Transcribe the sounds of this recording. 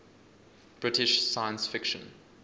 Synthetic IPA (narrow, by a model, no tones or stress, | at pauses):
b̥ɹɪtɪʃsaɪə̃nsfɪkʃə̰̃n